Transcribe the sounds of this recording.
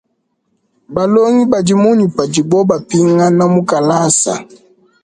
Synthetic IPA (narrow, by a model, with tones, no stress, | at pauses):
ba˨lo˦ŋi˦ba˨d͡ʒi˦mu˦ɲi˨pa˨d͡ʒi˨bɔ˦ba˨pi˦ŋa˦na˦mu˦ka˨la˦sa̰˨